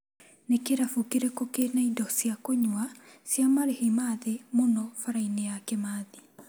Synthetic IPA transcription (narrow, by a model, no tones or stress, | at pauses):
nekeɾafukiɾekokenaidɔsjakoɲwasjamaɾehimaðemonɔfaɾainejakɛmaːði